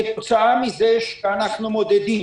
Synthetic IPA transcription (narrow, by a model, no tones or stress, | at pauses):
ɛkʼt̪sʰaːmizɛʃɡanaχnɔmɔd̪ɛd̪i